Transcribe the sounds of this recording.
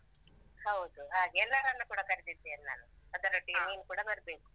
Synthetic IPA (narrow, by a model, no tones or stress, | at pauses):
hɐwd̪uɦaːɡɛlːɐɾɐnːɐkuːɽɐkɐɾit̪id̪ːeɐnːa̰ːnuɐd̪ɐɾoʈːiɐniːnukuːɽɐbɐɾbeːku̥